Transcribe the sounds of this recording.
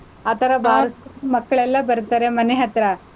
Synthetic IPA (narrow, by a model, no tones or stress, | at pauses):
aːt̪ɐɾɐbʱaːɾɐsumɐkːɐɭɛlːɐbɐɾut̪aːɾemɐneɦɐt̪ɾɐ